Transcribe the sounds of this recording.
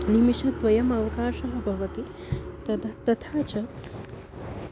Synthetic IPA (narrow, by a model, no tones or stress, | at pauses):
nimiʂɐt̪ʋɐjɐmɐʋɐkaːʃɐɦɐbʱɐʋɐt̪it̪ɐt̪ɐt̪ʰaːt͡ʃɐ